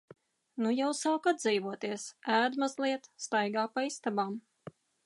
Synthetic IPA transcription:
nujawsaːkad̪ziːvuɔt̪iɛsæːd̪mazlˠiɛt̪st̪ajɡaːpaist̪abaːm

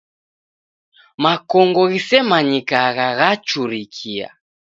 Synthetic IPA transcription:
makɔŋɡɔɣisɛmaɲikaɣaɣat͡ʃuɾikʰia̰

